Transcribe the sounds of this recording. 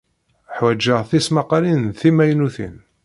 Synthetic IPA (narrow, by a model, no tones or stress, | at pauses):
ħwæd͡ʒːəʁθismaqːɑlinθimæjnuθḭn